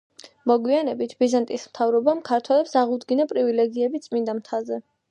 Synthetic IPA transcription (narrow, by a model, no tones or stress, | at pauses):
mɔɡwianɛbit̪ʰbizant̪ʼismt̪ʰavɾɔbamkʰaɾt̪ʰwɛlɛpsaʁud̪ɡinapʼɾivilɛɡiɛbit̪sʼmind̪amt̪ʰazɛ